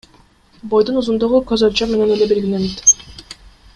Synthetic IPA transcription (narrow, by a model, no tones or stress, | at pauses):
bo̞jd̪unuzund̪uʁukøzɑlt͡ʃɑme̞ne̞nele̞belɡʲilenet̪